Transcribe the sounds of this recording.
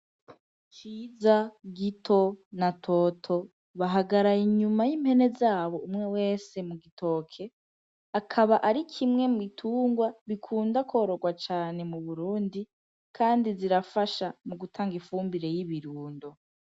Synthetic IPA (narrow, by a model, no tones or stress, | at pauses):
t͡ʃiːzaɡitʰo̞natʰo̞ːtʰo̞ | βaɦaɡaɾajiɲumajimhe̞ne̞zaːβo̞umŋe̞we̞ːse̞muɡito̞ːkʰe̞ | akʰaβaʔaɾikʰimŋe̞muɡitʰuːŋɡwaβikʰuːndakʰo̞ːɾo̞ɡwat͡ʃaːne̞muβuɾuːndi | kʰaːndiziɾafaʃamuɡutʰaːŋɡifuːmbiɾe̞jiβiɾuːndo̞